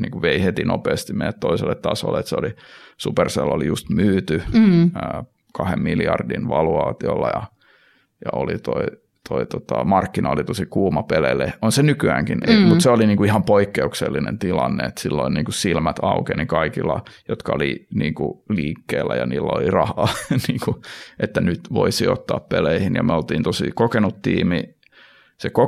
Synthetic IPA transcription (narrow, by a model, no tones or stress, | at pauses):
niːŋkuʋeihet̪inopeːst̪imejæt̪t̪oiselːet̪t̪ɑːso̰lːet̪seolisuperselːolijust̪myːt̪yəː | kɑhemmiljɑrdinʋɑluɑːt̪iolːɑjɑ | jɑolit̪oi | t̪ʰoit̪ot̪ɑmɑrkːinʔɑolit̪osikuːmɑpeleleonsenykyæːŋkinmuseoliniːŋkuihɑmpoikːeukselːinḛnt̪ilɑnːḛet̪silːoinniːŋkussilmæt̪ɑukenikɑikilːɑjot̪kɑoliniːŋkuliːkːeːlːæjɑniːlːæolirɑhɑːniːŋkuʔet̪ːænyt̪ʋoisio̰t̪ːɑːppeleihinjɑ̰meolt̪iːnt̪osikokenut̪tiːmi | seko